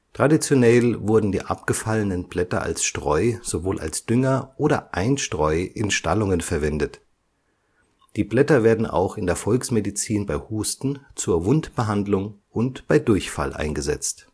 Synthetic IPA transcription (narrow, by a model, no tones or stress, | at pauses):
tʁ̥adit͡sjonɛlvʊɐdn̩diːʔa̰pɡ̥əfalənənblɛtɐ̰ʔa̰lsʃtʁ̥ɔʏz̥ovoːlʔa̰lsd̥ʏŋɐʔoːɾɐ̰ʔaɪnʃtʁ̥ɔʏʔɪnʃta̰lʊŋənfɛɐvɛndət | d̥iːblɛtɐveːɐdn̩ʔa̰ʊxɪndeːɐfɔlksmedit͡siːnbaɪhuːstn̩t͡suːɐvʊntb̥əɦandlʊŋʔʊntb̥aɪdʊɐçfa̰lʔa̰ɪnɡəzɛ̰t͡st